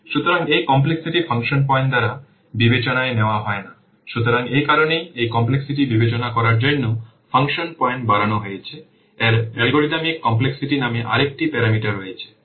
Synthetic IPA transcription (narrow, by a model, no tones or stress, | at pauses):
ʃut̪oɾaŋejkɔmpleksiʈifʰaŋʃonpɔeɳʈd̪aɾa | bibet͡ɕonaeneoaɦɔena | ʃut̪oɾaŋejkaɾonejejkɔmpleksiʈibibet͡ɕonakɔɾaɾd͡ʑonːo | fʰaŋʃonpɔeɳʈ̚baɾanoɦojet͡ɕʰe | ɛɾɛlɡoɖinamikːɔmpleksiʈinameʔa̰ɾek̚ʈipɛɾamiʈaɾojet͡ɕʰe̥